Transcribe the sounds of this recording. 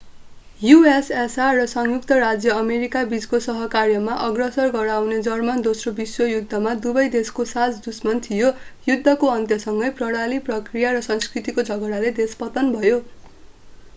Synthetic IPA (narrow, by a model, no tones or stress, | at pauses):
juesesarʌsʌŋjuk̚t̪ʌrad͡zjʌːmeɾikabid͡zkosʌɦʌkarjʌmaʔʌɡrʌsʌrɡʌɾawned͡zʌrmʌnd̪osrobiswʌjud̪ʱːʌmad̪ubʌjd̪eskosat͡sd̪usmʌnt̪ʰijojud̪ʱːʌkoʌnt̪jʌsʌŋɡʌjprʌɽ̃aliprʌkrijaɾʌsʌ̃nskrit̪ikod͡zʱʌɡʌɾaled̪espʌt̪ʌnbʱʌjo